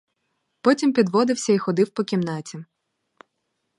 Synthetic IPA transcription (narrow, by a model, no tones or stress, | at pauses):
pɔtʲimpʲid̪ʋɔd̪ɪwsʲɐixɔd̪ɪwpɔkʲimnɑt͡sʲi